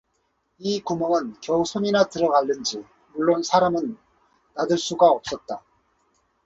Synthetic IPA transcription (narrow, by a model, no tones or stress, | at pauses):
ikumʌnɯnkjʌusʰoɲinatɯɾʌɡaɭːɯnd͡ʑi | muɭːonsʰaɾamɯnː | adɯɭs͈uɡaʌp̚s͈ʌt̚t͈a